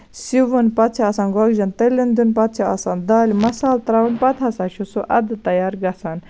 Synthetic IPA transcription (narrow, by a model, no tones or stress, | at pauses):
siʋunpɐt̪t͡ʃʰiasaːnɡɐɡd͡ʒɐnt̪ɐlʲind̪unpɐt̪̚t͡ʃʰiasaːnd̪aːlimɐsaːlt̪ɾaʋunpɐt̪ʰɐsaːt͡ʃʰusuʔɐd̪ɨt̪ɐjaːɾɡɐsan